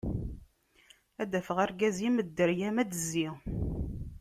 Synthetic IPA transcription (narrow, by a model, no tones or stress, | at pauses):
æd̪æfəʁæɾɡæziməd̪ːəɾjæmæd̪əzːi